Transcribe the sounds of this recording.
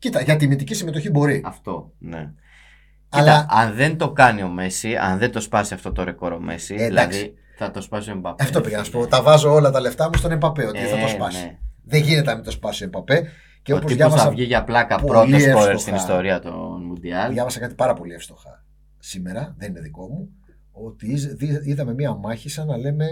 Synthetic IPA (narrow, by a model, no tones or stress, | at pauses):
cit̪ɐʝɐt̪̬imit̪icisimet̪o̞çibo̞ɾiɐft̪o̞ne̞ | cilɐɐnðe̞nd̪o̞kɐnio̞me̞siɐ̰nðend̪o̞spɐsiɐft̪o̞t̪oɾe̞ko̞ɾo̞me̞̰siilɐði | θɐt̪ospɐsoembɐpɐft̪oeɐnɐspot̪ɐvɐzo̞olɐt̪ɐle̞ft̪ɐmust̪onempɐpeot̪iðeɐt̪ospɐsieðeʝinet̪eɐmit̪o̞spɐsoempɐpe | ceotpoziʝɐovɐsɐɐvʝiʝɐplɐkɐpɾo̞osoɾeɾst̪inist̪o̞ɾiɐt̪onmund̪iɐlʝɐvɐsɐkɐt̪ipɐɾɐpo̞liefst̪o̞xɐ | simeɾɐðe̞nineðiko̞mu | o̞t̪iiiðɐme̞miɐmɐçisɐnɐle̞me̞